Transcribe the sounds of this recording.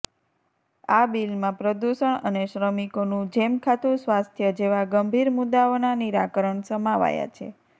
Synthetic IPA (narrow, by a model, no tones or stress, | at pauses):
abilmãpɾəd̪uʃəɳəneʃɾəmikonũd͡ʒemkʰat̪usʋast̪ʰjəd͡ʒeʋaɡəmbʱiɾmud̪aonaniɾakəɾəɳsəmaʋa̰ja̰t͡ʃʰḛ